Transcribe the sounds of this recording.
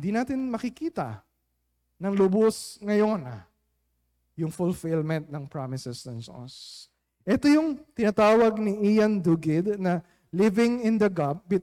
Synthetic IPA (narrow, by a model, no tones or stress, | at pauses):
ɪnd̪inaːt̪ɪnmɐkɪkiːt̪ɐ̰ | nɐŋlʊbosŋɐjo̞na | jʊŋfʊlfɪlmɛ̃nt̪̚nɐŋpɹamɪsɛsnɐnso̰s | ʔɛt̪o̞jʊŋt̪ɪnat̪aːwɐɡ̚niʔijɐnd̪uːɡɪd̪nɐ | lɪvɪŋɪ̃nd̪ɐɡab̚bɪ